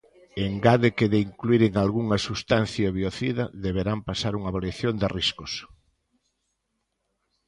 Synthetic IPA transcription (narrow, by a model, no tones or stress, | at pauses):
eŋɡaðekeðeiŋkluiɾeŋalɣuŋɐsust̪an̟θjaβioθiðɐðeβ̞eɾampasaɾuŋaβaljaθjond̪eriskos